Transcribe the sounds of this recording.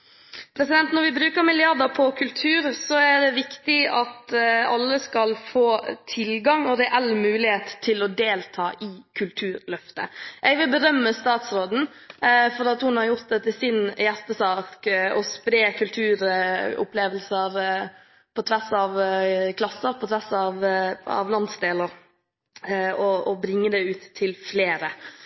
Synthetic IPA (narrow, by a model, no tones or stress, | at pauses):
pʰɾɛsɪd̪ɛnt̪nɔɾʋɪbɾʉːkəɾmɪlɪɑɾd̪əɾpʰɔkʰʉlt̪ʰʉːɾsɔæɖ̪ɛʋɪkt̪ɪɑt̪ɑlːəskɑlfoːt̪ʰɪlɡɑŋɔɾɛʔɛlːmʉːlɪheːt̪ʰːɪlɔd̪eːlt̪ʰɑːʔɪkʰʉlt̪ʰʉːɾlœft̪ə̰ʔɛʋɪlbəɾœmːəst̪ɑːt̪sɾoːd̪n̩ | fɔɾɑt̪hʊnhɑɾjʊɾt̪̚d̪ɛt̪ɪsɪnjæst̪əsɑːkkɔspɾeːkʰʉlt̪ʰʉːɾʊ̰pleːʋəlsəɾ | pʰɔt̪ʰʋæsɑʋkʰlɑsːəɾpʰɔt̪ʰʋæsɑʋɑ̰ʋlɑnsd̪eːləɾ | ɔɔbɾɪŋːəd̪ɛʉːt̪ʰːɪlfleːɾə